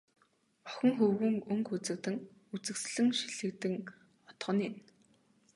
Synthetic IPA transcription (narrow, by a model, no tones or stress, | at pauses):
ɔxʲɵ̆ŋxɵwɣɘ̆ŋɵŋkut͡sɘ̆kt̪ɘ̆ŋ | ut͡sɘ̆ksɮɘ̆ŋʃiɮɘ̆k̚t̪ɘ̆ŋ | ɔt̪χɞ̆nɪn